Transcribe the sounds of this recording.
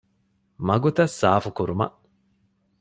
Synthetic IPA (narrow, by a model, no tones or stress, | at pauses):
mɐɡut̪ɐsːaːfukuɾumɐ̰ʔ